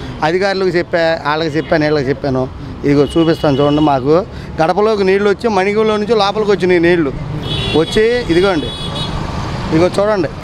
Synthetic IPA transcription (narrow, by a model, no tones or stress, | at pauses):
ɐd̪ʱikaːɾulɐkut͡ʃepːeːaːɭːɐkut͡ʃepːaːneːɭlɐkt͡ʃepːaːnu | id̪iɡoːt͡ʃuːpist̪aːnut͡ʃuːɽɐɳɖimaːku | ɡɐɽɐpɐlo̞ːkuniːɽluʋɐt͡ʃːimɐnikimloːnuɲt͡ʃilaːpɐlɐkʋɐt͡ʃːininiːluʋɐt͡ʃːiid̪iɡoːuɳɖi | iðiɡot͡ʃuːɽɐɳɖi